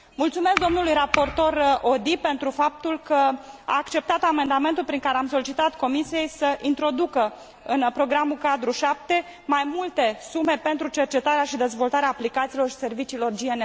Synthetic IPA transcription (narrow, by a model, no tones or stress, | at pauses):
mult̪sume̞sk̚d̪o̞mnulujrapo̞rt̪o̞rod̪ipe̞nt̪ɾufap̚t̪ulkəa̰ːkt͡ʃe̞p̚t̪at̪ame̞nd̪ame̞nt̪ulpɾiŋkaɾeamso̞lit͡ʃit̪at̪ko̞misije̞jsəʔint̪ɾo̞d̪ukə | ɨnpɾo̞ɡɾamulkad̪ɾuʃap̚t̪e̞ | majmult̪e̞sume̞pe̞nt̪ɾut͡ʃe̞rt͡ʃe̞t̪aɾeaʃid̪e̞zvo̞lt̪aɾeaːplikat̪siːlo̞rʃi̥se̞rvit͡ʃiːlo̞rd͡ʒiene